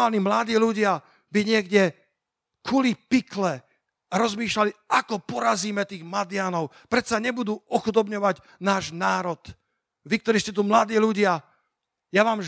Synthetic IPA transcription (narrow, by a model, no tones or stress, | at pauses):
aːlnimlad̪iːluɟɪa | biɲɪɛɡɟɛ | kulipiklɛ | aɾɔzmiːʃlaliakɔpɔɾaziːmɛt̪iːɣmad̪ɪanɔʊ | pɾɛt̪saɲɛbud̪uːɔxud̪ɔbɲɔʋaɟ | naːʒnaːɾɔd̪̥ | ʋik̚t̪ɔɾiːscɛt̪umlad̪iːluɟɪa | jaʋaːm